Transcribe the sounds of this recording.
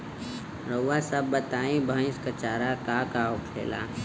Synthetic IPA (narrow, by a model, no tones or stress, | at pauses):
ɾəwwasəbːət̪aːĩbʱə̃ɪ̃skət͡ʃaːɾakakaːokʰḛːla̰